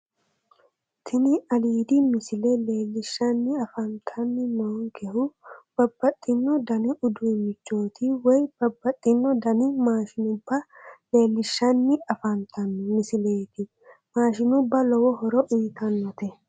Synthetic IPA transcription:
t̪ʰɪnɪɐliːd̪imɪsɪlɛle̞ːlːɪʃːɐnːɪɐfɐnt̪ʰɐnːɪmɐŋkɛhʊb̥ɐbːɐt̪ʼːɪnːɔd̪ɐnɪʔʊd̪umɪt͡ʃːo̞ːt̪iwɔjb̥ɐbːɐt̪ʼːɪnːɔd̪ɐnɪmaːʃɪnʊbːɐleːlːɪʃːɐnːɪɐfɐnt̪ʰɐnmɪsɪleːt̪ɪ | maːʃɪnʊbːɐlɔwɔhɔɾɔʔiːt̪ʰɐnːɐt̪ɛ

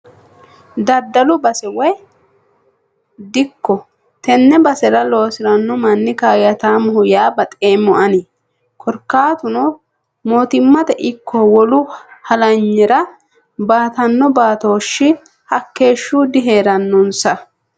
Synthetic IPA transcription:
d̪ɐd̪ːɐlʊbɐsɛwɔj | d̪ɪkːɔ | t̪ɛnːɛbɐsɛɾɐlo̞ːsɪɾɐnːɔmɐnːɪkaːjɐt̪aːmʊhʊjaːbɐt̪ʼeːmːɔʔɐni | kʰɔɾkːaːt̪ʊnɔ | moːt̪ɪmːɐt̪ɛʔɪkʰːɔwɔlʊhɐlɐɲːɛɾɐ | baːt̪ɐnːɔbaːt̪o̞ːʃːɪ | hɐkːe̞ːʃːuːd̪ɪɦe̞ːɾɐnːɔnsɐ

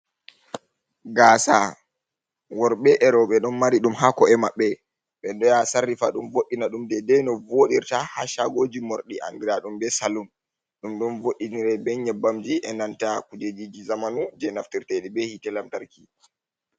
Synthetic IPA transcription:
ɡaːsa̰ | wɔɾɓɛʔɛɾɔɓɛɗɔnmaɾiɗumɦakɔɛmaɓːɛ | ɓɛɗɔjasarːifa̰ɗumvoɗːinaɗumdɛdɛnɔvoɗiɾtaha̰ʃaɡoːd͡ʒimoɾɗiʔa̰nɡiɾaɗumbɛsalum | ɗumɗɔnvoɗːiniɾɛbɛɲɛbamd͡ʒiʔɛnantakud͡ʒed͡ʒid͡ʒizamanud͡ʒɛnaftiɾtɛɗibɛhitɛlamtaɾki

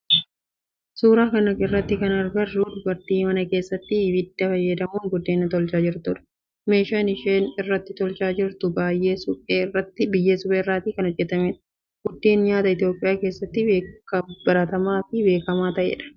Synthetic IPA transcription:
suːɾaːkɐnɐɡɪrːɐt̪ːɪkɐnɐɾɡɐruːd̪ʊbɐɾt̪iːmɐnɐke̞ːsːɐt̪ːɪbɪd̪ːɐfɐjːɐd̪ɐmuːnɡʊd̪ːeːnːɐt̪ɔlt͡ʃaːd͡ʒɪɾt̪ʊᶑɐ̥ | me̞ːʃaːnɪʃeːnɪrːɐt̪ːɪt̪ɔlt͡ʃaːd͡ʒɪɾt̪ʊbaːjːeːsʊeːrːɐt̪ːɪbɪjːeːsʊbeːrːaːt̪iːkɐnɔd͡ʒːɛt̪ɐmeːᶑɐ̥ | ɡ̥ʊd̪ːeːnɲaːt̪ɐɪt̪jo̞ːpʼːɪjaːke̞ːsːɐt̪ːɪbeːkːɐbɐɾɐt̪ɐmaːfɪbe̞ːkɐmaːt̪ɐʔḛᶑɐ̥

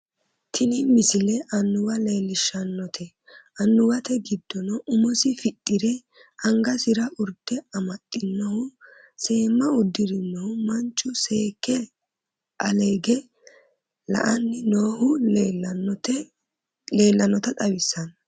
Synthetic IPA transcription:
t̪ʰɪnɪmɪsɪlɛʔɐnːʊwɐle̞ːlːɪʃːɐnːɔt̪ʰɛ | ʔɐnːʊwɐt̪ɛɡɪd̪̥ːɔnɔʔʊmɔsɪfɪt̪ʼːɪɾɛ | ɐŋɡɐsɪɾɐʔʊɾd̪̥ɛɐmɐt̪ʼːɪnːɔhʊ | se̞ːmːɐʊd̪ːɪɾɪnːɔhʊmɐnt͡ʃʼːʊseːkːɛ | ʔɐleːɡɛ | lɐ̰ʔɐnːɪno̞ːhʊ | le̞ːlːɐnɔt̪ɐt̪ʼɐwɪsːɐn

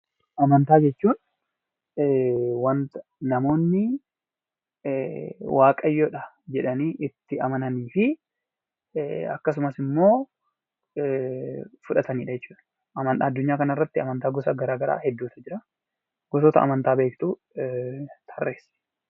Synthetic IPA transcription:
ʔɐmɐnt̪aːd͡ʒɛt͡ʃːuːn | wɐnt̪nɐmo̞ːnːɪ | wʔaːkʼɐjːoːᶑɐ | d͡ʒɛᶑɐniːʔɪt̪ːɪɐmɐnɐniːfɪ | ɐ̰kːɐs̬ʊmɐsɪmːoː | fʊᶑɐt̪ɐniːᶑɐd͡ʒɛt͡ʃːuːᶑɐ | ʔɐmɐnːɐd̪ːʊɲːaːkɐnɐɪrːɐt̪ːɪɐmɐnt̪aːɡɔsɐɡɐɾaːɡɐɾa̰ːhɛd̪ːuːt̪ɐd͡ʒɪɾɐ | ɡ̥ɔsoːt̪ɐʔɐ̰mɐnt̪aːbeːkt̪uː | t̪ʰɐrːḛːs

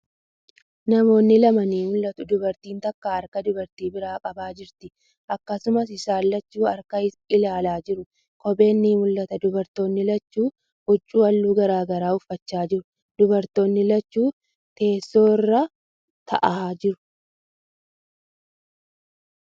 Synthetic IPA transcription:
nɐmo̞ːnːɪlɐmɐniːmʊlːɐt̪ʊd̪ʊbɐɾt̪iːnt̪ɐkːaːɐɾkɐd̪ʊbɐɾt̪iːbɪɾaːkʼɐbaːd͡ʒɪɾt̪ɪ | ʔɐkːɐsʊmɐsɪsaːlːɐt͡ʃːuːɐɾkɐɪ | ɪlaːlaːd͡ʒɪɾʊ | kɔbʼe̞ːnːiːmʊlːɐt̪ɐd̪ʊbɐɾt̪o̞ːnːɪlɐt͡ʃːuː | ʊt͡ʃʼːuːɐlːuːɡɐɾaːɡɐɾaːʊfːɐt͡ʃːaːd͡ʒɪɾʊ | d̪̥ʊbɐɾt̪o̞ːnːɪlɐt͡ʃːuː | t̪e̞ːsːo̞ːrːɐ | t̪ʰɐ̰ʔaːd͡ʒɪɾʊ̥

